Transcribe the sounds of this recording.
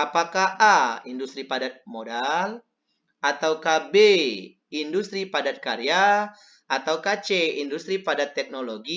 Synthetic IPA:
apakahʔaindust̪ɾipadat̪̚modal | at̪awkahbe | indust̪ɾipadat̪̚kaɾja | at̪awkat͡ʃeindust̪ɾipadat̪ːɛk̚noloɡi

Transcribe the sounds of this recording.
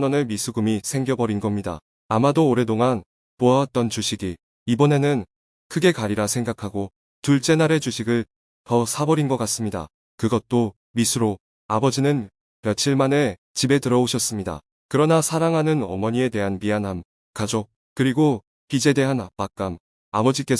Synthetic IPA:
nʌnemisʰuɡumisʰe̞ŋɡjʌbʌɾinɡʌmɲida̰ | amadoːɾe̞toŋan | poat̚t͈ʌnt͡ɕuɕʰiɡi | ibʌne̞nɯn | kʰɯɡe̞kaɾiɾasʰe̞ŋɡakʰaɡo | tuɭt͡ɕ͈e̞naɾe̞t͡ɕuɕʰiɡɯɭ | tʌsʰabʌɾinɡʌk͈as͈ɯmɲida̰ | kɯɡʌt̚t͈o | misʰɯɾo | abʌd͡ʑinɯn | pjʌt͡ɕʰiɭmane̞ | t͡ɕibe̞tɯɾʌoɕʰʌs͈ɯmɲida̰ | kɯɾʌnasʰaɾaŋɦanɯnʌ̰mʌɲie̞de̞ɦanmianɦam | kad͡ʑo | kɯɾiɡo | pid͡ʑe̞de̞ɦanapak͈am | a̰bʌd͡ʑik͈e̞

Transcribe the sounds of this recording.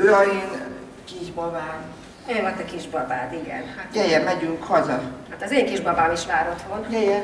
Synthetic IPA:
yɾɒjin | kiːʒbɒbaːn | emɔt̪ɛkiʒbɒbaːd̪iɡɛ̰nhat̪jɛjɛmmːɛɟyŋkhɒzɒhat̪ɒzeːŋkiʒbɒbaːmiʃʋaːɾot̪honjɛjɛn

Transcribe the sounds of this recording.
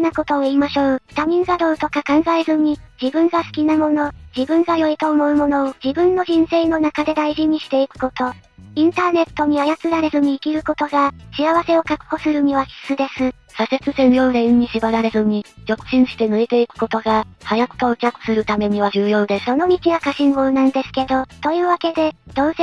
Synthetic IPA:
nako̞t̪o̞ːiːmaɕo̞ːt̪amʲĩŋɡad̪o̞ːt̪o̞kakãŋɡae̞zɨɲ̟id͡ʑibɯ̟̃ŋɡasɨ̥kʲinamo̞no̞d͡ʑibɯ̟̃ŋɡajo̞it̪o̞ːmo̞ɯ̟mo̞no̞ːd͡ʑibɯ̟̃nːo̞ʑĩɰ̃se̞ːno̞nakad̪e̞d̪aiʑiɲ̟iɕi̥t̪e̞ikɯ̟̥ko̞t̪o̞ | ĩnt̪aːne̞t̪ːo̞ɲ̟iajat͡sɨɾaɾe̞zɨɲ̟iːkʲiɾɯ̟ko̞t̪o̞ɡaɕiaβase̞o̞kakɯ̟̥ho̞sɨɾɯ̟m̟ʲiβakʲi̥sɨd̪e̞sɨ | sase̞t͡sɨseɾɯjo̞ːɾẽ̞ɲ̟ːiɕibaɾaɾe̞zɨɲ̟iɾo̞kɯ̟̥ɕĩɰ̃ɕi̥t̪e̞nɯet̪e̞ikɯ̟̥ko̞t̪o̞ɡahajako̥t̪o̟ːkʲakɯ̟̥sɨɾɯ̟t̪ame̞ɲ̟iβaʑɨːjo̞ːd̪esso̞no̞ɲ̟ʲit͡ɕiβakaɕĩŋɡoɯnãnd̪e̞sɨ̥ke̞d̪o̞t̪o̞jɯ̟ːβake̞d̪e̞d̪̥o̞ːse

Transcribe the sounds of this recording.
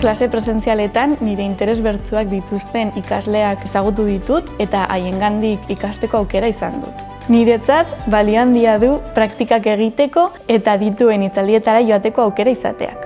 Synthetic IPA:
klase̞pɾe̞se̞nt͡siale̞t̪anːiɾe̞int̪e̞ɾe̞zβe̞ɾt͡suak̚d̪it̪ust̪e̞nikazle̞ake̞saɣ̞ut̪uð̞it̪ut̪e̞t̪aʔaje̞ŋɡand̪ikikast̪e̞ko̞awke̞ɾaisa̰nd̪ṵt̪ | niɾe̞t͡sat̪balioand̪iaðupɾakt̪ikake̞ɣ̞it̪e̞ko̞ | e̞t̪aðit̪ue̞nit͡sald̪ie̞t̪aɾaʝo̞at̪e̞ko̞awke̞ɾaisa̰t̪e̞̰a̰k

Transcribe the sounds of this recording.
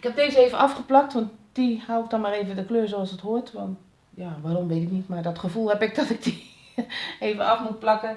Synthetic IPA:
ɪkhɛp̚deːzəeːvənʔafχəplak̚tʋɔntd̥ihawɪk̚d̥ɔnmaːreːvəndəkløːɹs̬oɔlˠsəthoətʋɔnt | jaʋarɔmʋetɪknitmardɔtχəvulˠhɛpɪk̚dɔtɪk̚di | eːvəafmut̚plakə

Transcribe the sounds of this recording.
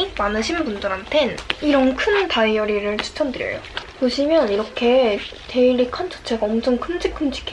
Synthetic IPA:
imanɯɕʰinbundɯɾɦantʰe̞niɾʌnkʰɯntaijʌɾiɾɯɭt͡ɕʰu̥t͡ɕʰʌndɯɾjʌ̰jopoɕʰimjʌniɾʌkʰe̞teiɾikʰant͡ɕʌ̥t͡ɕʰe̞ɡaʌmt͡ɕʰʌŋkʰɯnd͡ʑik͈ʰːɯnd͡ʑʰi̥kʰe

